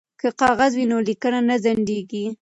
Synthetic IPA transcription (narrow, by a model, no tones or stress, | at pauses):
kəqɑɣazwinolikənanazaɳɖeɡi